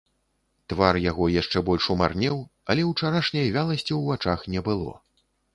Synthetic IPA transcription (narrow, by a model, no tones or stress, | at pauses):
t̪varjaɣɔjaʂt͡ʂɛbɔlʲʂuma̰rnʲɛwɐlʲɛwt͡ʂaɾaʂnʲɐjvʲalˠɐsʲt͡sʲiwvat͡ʂaxnʲɛbɨlˠɔ̰